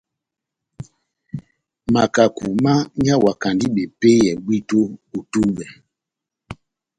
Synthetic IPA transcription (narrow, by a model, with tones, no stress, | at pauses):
ma˨ka˨ku˨ma˦ɲa˦wa˨ka˨ndi˦ɓɛ˨pe˦jɛ˨ɡ͡bwi˦to˦u˨tu˦ɓɛ˨